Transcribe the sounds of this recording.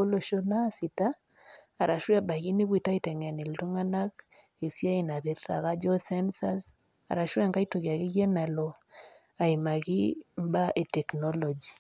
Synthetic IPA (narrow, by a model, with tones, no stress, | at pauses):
o˦lo˨ʃo˦na˦si˨taː˦˨ | ɾʔa˨ʃwa˦ba˨ɣi˦ni˦βi˨ta˦i˦tɛ˨ŋɛ˨ne˨ltu˦ŋa˦na˦k | e˨sja˦i˨na˨βe˨ɾɾa̰˨ɣa˦d͡ʒɔ˦sɛ˦nsa˦s | a̰˨ɾa˨ʃwa˦ŋɡa˦i˦to˨ɣja˨ɣi˦ɣe˦na˨lɔ˨ | a˨i˨ma˨ɣi˦mba˦ʔe˨tɛ˨knɔ˦lɔ˨d͡ʒi˨